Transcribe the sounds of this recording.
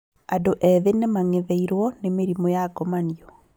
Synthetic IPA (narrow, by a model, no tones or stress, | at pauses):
adoʔɛðenemaŋeðɛiɾwɔnemeɾimɔjaɡɔmaniɔ